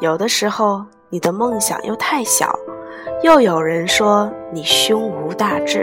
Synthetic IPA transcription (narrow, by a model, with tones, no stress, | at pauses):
jo˨˩ʊd̪ə˦ʂɻ̩˧˥xo˥˧ʊ | ni˨˩d̪ə˦mɤ˥˩ŋɕjɑ̰˨˩ŋjo˥˧ʊt̪ʰa˥˩ɪɕjɑ̰˨˩˦ʊ | jo˥˩ʊjo˨˩ʊɻə˧˥nʂwɔ˥ni˨˩ɕjʊ˥ŋu˧˥t̪a˥˧ʈ͡ʂɻ̩˥˩